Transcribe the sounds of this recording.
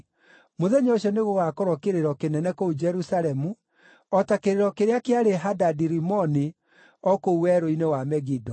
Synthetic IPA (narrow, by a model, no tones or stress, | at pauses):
moðɛɲɔoʃɔneɣoɣakɔɾɔkeɾeɾɔkenɛnɛkoud͡ʒɛɾusaɾɛmu | ɔtakeɾeɾɔkeɾeakeaɾeɦadadiɾimɔni | ɔkouwɛɾoinewamɛɣidɔ